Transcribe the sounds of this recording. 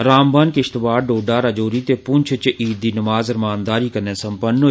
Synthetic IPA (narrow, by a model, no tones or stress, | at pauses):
ɾaːmbənkɪʃt̪baːɾɖoːɖaːɾad͡ʒoːɾiːt̪eːpʊnt͡ʃʰt͡ʃʔiːd̪iːnəmaːzəɾmaːnd̪aːɾiːkənẽːsəmpəno